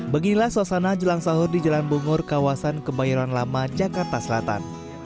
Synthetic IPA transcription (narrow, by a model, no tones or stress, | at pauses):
bəɡinilahsasanad͡ʒəlaŋsaɦʊrdid͡ʒalanbuŋʊrkawasankəbajaɾanlamad͡ʒakart̪asəlat̪a̰n